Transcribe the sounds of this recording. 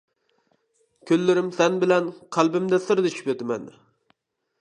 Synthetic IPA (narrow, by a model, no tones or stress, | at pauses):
kʲʰølːɪɾɪmsɛnbɪlɛnqʰælˠbɪmd̪ɛsɨɾd̪ɪt͡ʃʰy̥pøt̪ɪmɛ̰n